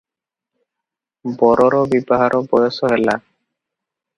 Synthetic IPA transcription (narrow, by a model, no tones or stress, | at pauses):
bɔɾɔɾɔbibɔɦaɾʔɔbɔdɔsɔɦela